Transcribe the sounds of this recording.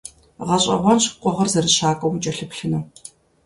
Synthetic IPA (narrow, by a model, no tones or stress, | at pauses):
ʁɐɕʼɐ̰ʁʷɔmɕqʷʼɔʁɐrzɐrɨɕaːkʷʼɐwʊt͡ʃʼɐɬɨpɬɨnɐ